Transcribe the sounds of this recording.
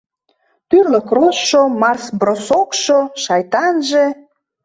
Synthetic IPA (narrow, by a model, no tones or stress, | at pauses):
pyrləkrosʃomɑrsbrosokʃoʃɑjt̪ɑnʒe